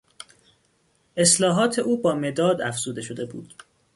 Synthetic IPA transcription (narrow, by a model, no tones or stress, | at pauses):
ʔe̞slɒːɦɒːt̪ʰe̞ʔuːbɒːme̞d̪ɒːd̪æfz̥uːd̪e̞ʃo̞d̪e̞bṵːd̪̥